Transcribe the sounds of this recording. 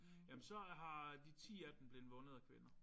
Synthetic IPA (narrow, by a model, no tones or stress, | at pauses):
jæmnsɒ̽ɦɑ̈d̥it͡sʰḭːæd̥m̩b̥le̝ðn̩ʋɔ̽nəð̩ˠækʰʋenɐ